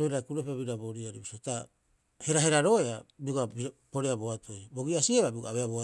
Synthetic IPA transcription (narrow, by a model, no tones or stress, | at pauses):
ɾojɾajkuɾopaβiɾabo̞ɾiaɾibisota | he̞ɾaɦe̞ɾaɾo̞eabiɡabipo̞ɾeaboatʰo̞jbo̞ɡiasieβabiɡaβeaβoa